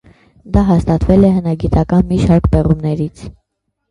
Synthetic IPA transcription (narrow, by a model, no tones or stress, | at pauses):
d̪ɑɦɑst̪ɑt̪vɛlɛɦənɑɡit̪ɑkɑnmiʃɑɾkbɛʁumnɛɾit͡sʰ